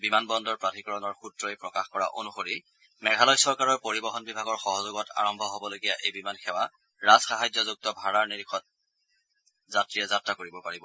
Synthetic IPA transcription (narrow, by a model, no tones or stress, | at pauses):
bimanbɔndɔɹpɹatʰikɔɹɔnɔɹxutɹɔjpɹɔkaxkɔɹa̰ʔo̰nuxoɹi | mɛɡʱalɔjsɔɹkaɹɔɹpoɹibɔxɔnbibʱaɡɔɹxɔɦɔzoɡɔta̰ɹɔmbʱɔɦobɔloɡijaʔejbimanxʰɛwa | ɹaz̥xaɦajzɔzuk̚tɔbʱaɹaɹniɹikʰɔt̚ | zatɹijɛzatɹakoɹibɔpaɹibɔ